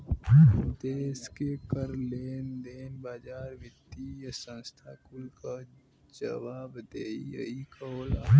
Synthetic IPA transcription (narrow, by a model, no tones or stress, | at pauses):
d̪eːskekəɾleːnd̪eːnbaːd͡ʒaːɾʋɪt̪ːijəsə̃nst̪ʰaːkʊlka | d͡ʒə̰ʋaːbd̪eːiə̰ikəoːlaː